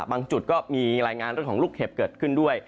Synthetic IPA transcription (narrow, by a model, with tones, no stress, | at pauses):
baː˧ŋt͡ɕu˨˩t̪̚kɔː˥˩miː˧ɾaː˧jŋaː˧nɾəŋʰkʰːluː˥˩k̚he˨˩p̚kɤː˨˩t̪̚kʰɯ˥˩ndu˥˩əj